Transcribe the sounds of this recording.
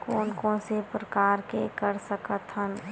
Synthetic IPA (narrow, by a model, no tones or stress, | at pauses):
koːnkõːnsepɾəkaːɾkekəɾsəkət̪ɦən